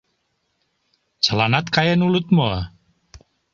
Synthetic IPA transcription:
t͡ʃəlanat̪kajenulut̪moa

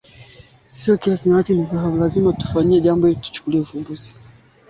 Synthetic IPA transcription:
siɔkiasinatinizaɦaulazimatu̥faɲiɛʄambɔilitu̥t͡ʃu̥kuliɛufumbuzi̥

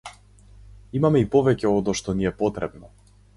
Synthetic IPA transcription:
imamɛipɔvɛcɛɔd̪ɔʃt̪ɔniɛpɔt̪ɾɛbnɔ

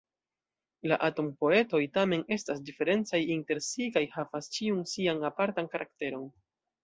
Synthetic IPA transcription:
laʔato̞mpo̞e̞to̞jtame̞ne̞stasdife̞ɾe̞nt͡sajinte̞ɾsikajhavast͡ʃiunsianapaɾtankaɾʔakte̞ɾo̞n

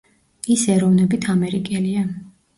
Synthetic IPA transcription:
isɛɾɔvnɛbit̪ʰamɛɾikʼɛlia

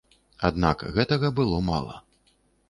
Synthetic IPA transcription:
ad̪nakɣɛt̪ɐɣɐbɨlˠɔma̰lˠɐ̰

